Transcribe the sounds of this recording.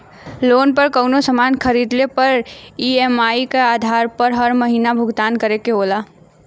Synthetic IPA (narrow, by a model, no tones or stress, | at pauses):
lonpəɾkəwnosəmankʰəɾid̪lepəɾiemaikead̪ʱaɾpəɾɦəɾməɦinabʱuɡt̪ankəɾekeɦola